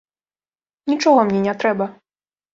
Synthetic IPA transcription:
nʲit͡ʂɔɣɔmnʲɛnʲɛt̪ɾɛbɐ

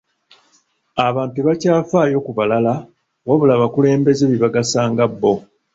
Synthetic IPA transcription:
aβaːntuβacaːfaːjo̞kuβalala | waβulaβakule̞ːmbe̞zeβiβaɡasaːŋɡabːo̞

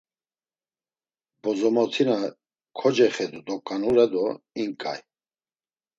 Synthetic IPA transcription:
bɔzɔmɔt̪ʰina | kʰɔd͡ʒɛχɛd̪ud̪ɔkʼːanuɾɛd̪ɔ | iŋkʼa̰j

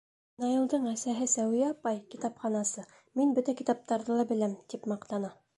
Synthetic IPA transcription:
nɑjɤ̆lˠd̪ɤɴæsæɦɘsæwijæɑpɑjkit̪ɑpχɑnɑsɤ | minbɵt̪ækit̪ɑp̚t̪ɑɾðɤlˠɑbɘ̆læmt̪ipmɑqt̪ɑnɑ

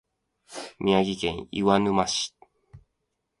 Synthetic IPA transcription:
mʔʲiaɡʲikẽɰ̃ḭwanɯmaɕi̥

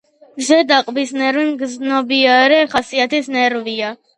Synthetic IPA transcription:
ɡzɛd̪aqʼbisnɛɾvimɡznɔbiaɾɛχasiat̪ʰisnɛɾvia

